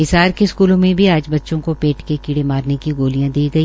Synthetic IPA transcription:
ɪsaːɾkeskuːlõmẽbʱiaːd͡ʒbɐtːʃõkopeːʈkekiɽemaːɾnekiɡoːlijãd̪iːɡɐiː

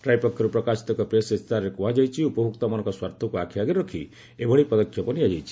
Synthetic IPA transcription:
ʈɾajpɔkʰːɔɾupɾɔkasi̥t̪ɔkɔpɾesest̪aɾɔɾekuɦad͡ʒajt͡ʃʰiupɔbʱuk̚t̪ɔmɔnɔ̃ŋkɔswaɾt̪ʰɔkuakʰiaɡeɾɔkʰi | ebʱɔɽipɔd̪ɔkʰːjɔpɔniad͡ʒajt͡ʃʰi̥

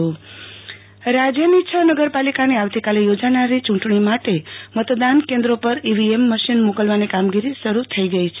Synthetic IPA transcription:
ɾad͡ʒjənit͡ʃʰənəɡəɾpalikaneawt̪ikalejod͡ʒanaɾit͡ʃuɳʈɳimaʈemət̪d̪ankend̪ɾopəɾiʋiemːəʃinmokəlʋanekamɡiɾisəɾut̪ʰəiɡəit͡ʃʰe

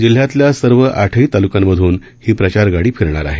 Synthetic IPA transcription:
d͡ʑil̤ːjat̪ljasəɾʋəʔaʈʰəiːt̪alukamːəd̪ʱuːn | hiːpɾət͡ɕaɾɡaɽiːfʰiɾɳa̰ɾa̰ɦe

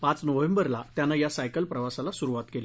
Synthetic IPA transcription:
pãt͡snəʋẽmbəɾlat̪janːajasajkəlpɾəʋasalasuɾuʋat̪kele

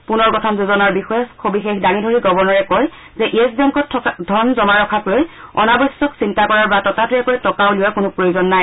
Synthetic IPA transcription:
punɔɹkɔtʰɔmnzuzɔnaɹbixɔjɛskʰobixexdaŋidʱoɹiɡɔbɔɹnɔɹɛkɔj | zɛʔiɛsbɔŋkɔtʰdʱɔnzɔmaɹɔkʰaklojɔ̰nabɔsːɔksintakɔɹaɹbatɔtatuɹɛkojtɔkaʊlʊjakʊnʊpɹojozɔnːaj

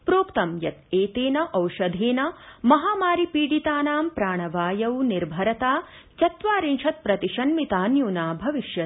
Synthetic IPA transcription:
pɾoːkt̪ɐmjɐt̪eːt̪eːnɐʔɐwʃɐd̪ʱeːnɐmɐɦaːmaːɾipiːɽit̪aːnaːmpɾaːɳɐʋaːjɐwniɾbʱɐɾɐt̪aː | t͡ʃɐt̪ʋaːɾinʃʰɐt̪̚pɾɐt̪iʃɐnmit̪aːnjuːnaːbʱɐʋiʃjɐ

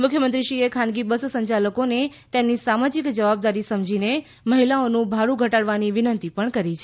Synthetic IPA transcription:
mʊkʰjəmənt̪ɾiʃiekʰãnɡibəssəɲt͡ʃaləkone | t̪emnisamad͡ʒikd͡ʒəʋab̚d̪aɾisəmd͡ʒine | məɦilaonũbʱaɽũɡʱəʈaɽʋaniʋɪnənt̪ipəɳkəɾit͡ʃʰe

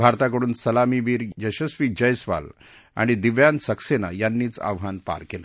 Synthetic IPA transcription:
bʱaɾt̪ak̬əɽuːnsəlamiːʋiːɾjəɕəsʋiːd͡ʑəjsʋa̰l | a̰ɽ̃id̪iʋjansəksena̰janːiːt͡sa̰ʋɦanpa̰ɾkela

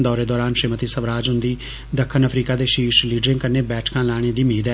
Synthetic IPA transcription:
d̪ɔːɾeːd̪ɔːɾaːnʃɾiːmət̪iːsəʋɾaːd͡ʒɦʊ̃nd̪iː | d̪əkʰːənəpʰɾiːkaːd̪eːʃiːʃliːɖɾɪ̃ŋɡkəɾneːbɛːʈʰkãːlɛːɽ̃eːd̪iːmeːd̪ɛ

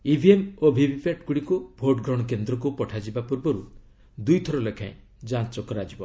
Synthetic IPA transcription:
ibʱiemobʱibʱipaʈkuɽikubʱoʈɡɾɔ̃ɔk̬end̪ɾɔkupɔʈʰad͡ʒibapuɾbɔɾu | d̪ujt̪ʰɔɾɔlekʰã̰ẽ | d͡ʒãt͡ʃɔkɔɾad͡ʒibɔ

